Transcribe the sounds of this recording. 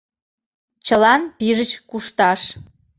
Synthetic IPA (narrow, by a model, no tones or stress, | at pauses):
t͡ɕəlɑnpiʒət͡ɕkuʃt̪ɑʃ